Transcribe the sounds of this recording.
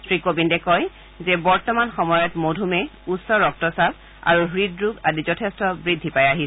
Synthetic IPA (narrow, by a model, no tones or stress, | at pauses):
sʰɹikobindɛkɔj | zɛbɔɹtɔmanxɔmɔjɔtmodʱumɛutsɔɹɔk̚tɔsab̚ | a̰ɹuɦɹidɹuɡadizɔtʰestɔbɹidʱːipajaɦisɛ